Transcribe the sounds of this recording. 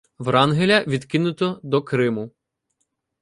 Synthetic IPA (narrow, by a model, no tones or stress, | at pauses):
ʋɾɑnɦelʲɐʋʲid̪kɪnʊt̪ɔd̪ɔkɾɪmʊ